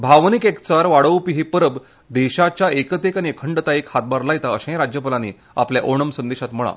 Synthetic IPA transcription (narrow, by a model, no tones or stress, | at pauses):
bʱaʋnikekt͡saɾʋaɽəwpiɦipəɾəb | d̪eɕat͡ɕjaekət̪ekaniekʰəɳɖət̪aikhat̪̚baɾlajet̪aəɕãj̃ɾad͡ʑjəpəlanḭː | a̰pljaʔoɳ̃əmsənd̪eɕat̪m̤əɭ̃a̰